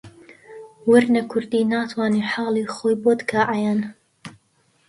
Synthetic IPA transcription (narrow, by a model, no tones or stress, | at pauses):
wʊɾnɐkʰʊɾd̪iːnaːt̪ʰwɑːniːħɑːlˠiːxoːjbot̪kʰaːʔajan